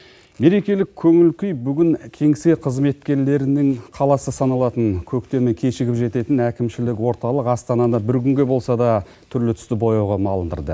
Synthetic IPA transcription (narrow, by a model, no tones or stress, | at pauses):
me̞ɾe̞kʲe̞lɪkʲʰːɵŋɪlkʲʏjbʏɡʲɪŋkʲʰe̞ŋse̞qʰəzme̞t̪kʲe̞ɾle̞ɾɪnɪŋqʰɑlˠɑsəsɑnɑlˠɑt̪əŋkʲʰɵkt̪e̞me̞kʲʰe̞ʃɪɡʲɪpʒe̞t̪e̞t̪ɪnækʲɪmʃɪlɪkwo̞ɾt̪ɑlˠəqɑst̪ɑnɑd̪ɑbɪɾkʲʰʏŋɡʲe̞bo̞lˠsɑd̪ɑ | t̪ʰʏɾlɪt̪ʰʏst̪ɪbo̞jɑʁɑmɑlˠənd̪ə̰ɾd̪ə̰